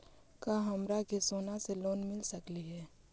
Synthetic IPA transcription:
kaːɦɐmɾakesoːnaseloːnmɪlsɐkliɦɛː

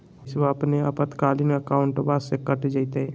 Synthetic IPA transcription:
sʋaəpneəpət̪kaːlinəkaːʊɳʈbasekəʈd͡ʒəɪt̪ɛ

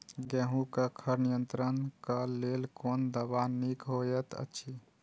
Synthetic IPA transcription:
ɡẽɦũkəkʰəɾnijənt̪ɾənkəlelkond̪əbanikɦojet̪ə̰t͡ʃʰi

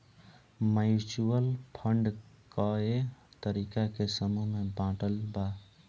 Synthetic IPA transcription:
məjut͡ʃuəlpʰəɳɖ | kəet̪əɾikakesəmumebãʈəlba

